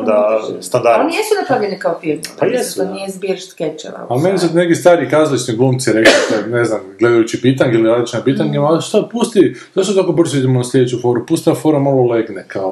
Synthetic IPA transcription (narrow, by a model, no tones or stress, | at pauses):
d̪ast̪and̪aɾonijesunapɾaʋʎenikaofilmpajɛst̪onijɛizbjiɾʃt̪ket͡ʃɛ̰ɾa̰alime̞nisut̪nekist̪aːɾiːkazlit͡ʃniɡlˠumt̪siɾeklit̪ene̞znamɡle̞d̪ajut͡ɕipit̪aɲkeiliɾaːd̪it͡ɕinapiːt̪aɲkemsad̪̚pust̪id̪oʃt̪ot̪akobr̩zoid̪imonaslʲe̞d̪et͡ɕufo̞ɾupust̪iafoɾamaloleɡnekʰao